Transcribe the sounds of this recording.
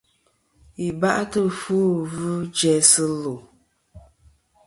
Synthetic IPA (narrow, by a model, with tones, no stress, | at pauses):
i˨ba˦ʔtə˦fu˦vu˦d͡ʒɛ˦sɨ˦lo˨